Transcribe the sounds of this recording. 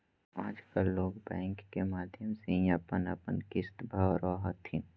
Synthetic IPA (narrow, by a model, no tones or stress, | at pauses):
aːd͡ʒkalːoːɡbɛ̃ːŋkːemaːd̪ʱjəmseĩəpənəpənkɪst̪bʱaʋɾɔːɦət̪ːĩ